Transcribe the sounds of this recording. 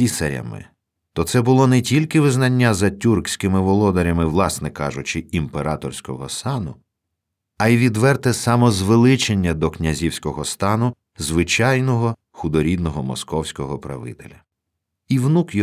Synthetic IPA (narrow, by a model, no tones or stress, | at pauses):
isɐɾʲɐ̰mɪ̰ | t̪ɔt̪sɛbʊlˠɔnɛtʲilʲkɪʋɪznɐnʲːazɐtʲurksʲkɪmɪʋɔlˠɔd̪ɔɾʲɐmɪwlˠɑsnɛkɑʒʊt͡ʃɪimpeɾɑt̪ɔrsʲkɔɦɔ̰sɑnʊ | ɐiʋʲid̪ʋɛrt̪ɛsɑmɔzʋelˠɪt͡ʃenʲːɐd̪ɔknʲɐzʲiwsʲkɔɦɔst̪ɑnʊ | zʋɪt͡ʃɑjnɔɦɔ | xʊd̪ɔɾʲid̪nɔɦɔmɔ̰skɔwsʲkɔɦɔpɾɐ̰ʋɪ̰t̪ḛlʲɐ | iwnukj